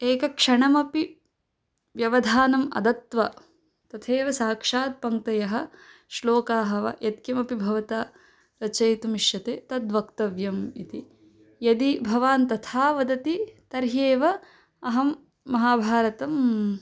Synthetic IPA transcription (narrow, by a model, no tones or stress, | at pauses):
eːkɐkʂɐɳɐmɐpi | ʋjɐʋɐd̪ʱaːnɐmɐ̰d̪ɐt̪ʋɐ | t̪ɐt̪ʰeːʋɐsaːkʂaːd̪̚pɐŋkt̪ɐjɐɦɐ̆ | ʃloːkaːɦɐʋɐ̰jɐt̪̚kjɐmɐpibʱɐʋɐt̪aː | ɾɐt͡ʃɐjt̪umiʃjɐt̪eːt̪ɐd̪ʋɐkt̪ɐʋjɐmit̪i | jɐd̪ibʱɐʋaːnt̪ɐt̪ʰaːʋɐd̪ɐt̪it̪ɐɾɦeːʋɐ | ɐɦɐmː | ɐɦaːbʱaːɾɐt̪ɐm